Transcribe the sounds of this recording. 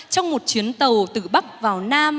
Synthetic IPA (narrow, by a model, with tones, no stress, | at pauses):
t͡ɕɔ˧wŋ͡mmo˨˩t̚t͡ɕwi˨˦ənt̪ə˨˩wt̪ɨ˨˩ɓa˦˥k̚vaː˨˩wnaː˧m